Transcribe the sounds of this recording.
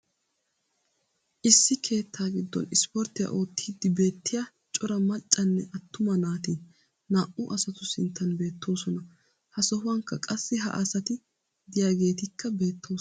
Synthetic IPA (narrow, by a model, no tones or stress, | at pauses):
ʔɪsːɪkʰe̞ːt̪ʰːaːɡɪd̪ːɔ̰nɪspɔɾt̪ɪja̰ʔo̞ːt̪ʰːiːd̪ːɪbe̞ːt̪ːɪjaː | t͡ʃʼɔɾɐmɐt͡ʃʼːɐnːɛʔɐt̪ːʊmɐnaːt̪iː | naːʔʊʔɐsɐt̪ʊsɪnt̪ʰːɐnbe̞ːt̪ːo̞ːsɔnɐ | hɐsɔɦʊwɐŋkːɐkʼɐsːɪɦɐ̰ʔɐsɐt̪ɪ | d̪ɪjaːɡe̞ːt̪ɪkʰːɐbe̞ːt̪ʰːo̞ː